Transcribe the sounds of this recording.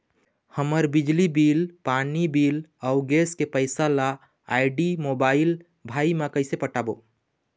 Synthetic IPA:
həməɾbid͡ʒlibiːlpaːnibiːlɔʊɡeːskepəɪsala | aɪɖimobaːɪl | bʱaːimakəɪsepəʈaːbo

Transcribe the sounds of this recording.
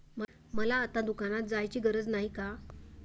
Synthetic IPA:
mə | məlaːt̪ad̪ukanat̪̚d͡zajt͡ɕiːɡəɾəd͡znaɦika

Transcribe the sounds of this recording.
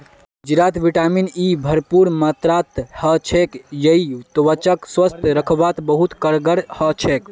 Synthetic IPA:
d͡ʒiɾat̪ʋiʈaminibʱəɾpuɾmət̪ɾat̪hət͡ʃʰekjəit̪oʋət͡ʃəkswəst̪ʰɾəkʰbat̪bəɦut̪kəɾɡəɽhət͡ʃʰek

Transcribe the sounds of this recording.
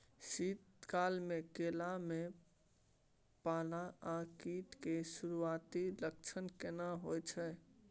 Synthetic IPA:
sit̪kalmekelame | palaakiʈkesuɾuat̪ilək̚t͡ʃʰənkenaɦojt͡ʃʰɛ

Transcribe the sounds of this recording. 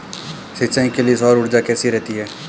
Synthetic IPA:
sɪt͡ʃãĩkelesɔːɾʊɽd͡ʒakɛːsiɾɛɦt̪iɦɛː

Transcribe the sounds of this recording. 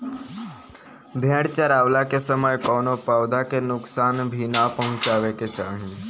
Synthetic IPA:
bʱẽɽt͡ʃaɾaʋlakesəməjkɔnopaʋd̪akenʊksanbʱinapəɦʊ̃t͡ʃaʋeket͡ʃaɳ̃ĩ

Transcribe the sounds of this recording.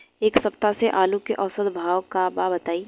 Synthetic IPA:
eːksɐpt̪aseʔaːlukeʔɔːsəd̪bʱaːʋkababɐt̪aːi

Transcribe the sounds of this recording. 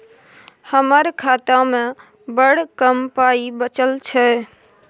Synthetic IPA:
həməɾkʰat̪ame | bəɽkəmpaibət͡ʃəlt͡ʃʰɛ

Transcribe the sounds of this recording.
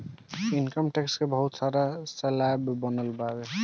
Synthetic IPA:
inkɔmʈekskebɔɦut̪saɾaselajbbɔnəlbabe

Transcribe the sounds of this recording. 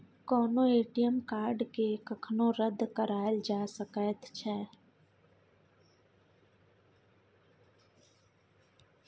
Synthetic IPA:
kɔːnõeːʈijəmkaːɾɖkekəkʰnõɾəd̪ʱːkəɾaːld͡ʒaːsəkət̪t͡ʃʰɛː

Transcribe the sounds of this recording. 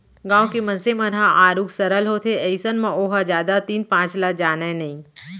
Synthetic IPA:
ɡãːõkemɐ̃nsemɐnɦaʔaːɾuːksɐɾəlɦot̪ʰeɐɪsənmãoːɦad͡ʒjaːd̪at̪iːnpãːt͡ʃlad͡ʒaːnaẽnɐɦĩ

